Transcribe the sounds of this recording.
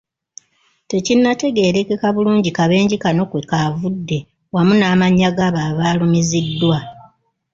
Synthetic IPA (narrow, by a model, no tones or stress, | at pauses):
te̞cinːate̞ɡe̞ːɾe̞kekaβuluːɲɟikaβe̞ːɲɟikano̞kwekavudːe̞ | wamunaːmaɲːaɡaβaːβaːlumizidːwa